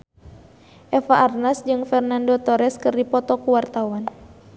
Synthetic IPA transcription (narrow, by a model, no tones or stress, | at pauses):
ʔɛfaʔːrnasd͡ʒɨŋfɛrnandot̪ɔɾɛskɨrdipɔt̪ɔkuwart̪awan